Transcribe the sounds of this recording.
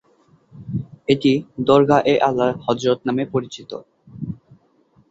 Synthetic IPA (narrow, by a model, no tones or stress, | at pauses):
eʈid̪ɔɾɡʱaʔeʔalːahɔd͡ʑiɾot̪namepoɾit͡ɕit̪o̰